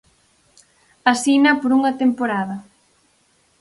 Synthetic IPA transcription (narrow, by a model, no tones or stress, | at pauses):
asinɐpoɾuŋɐt̪empoɾaðɐ